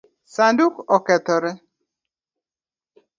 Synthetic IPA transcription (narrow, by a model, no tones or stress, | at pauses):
sandukɔkɛt̪ɔɾɛ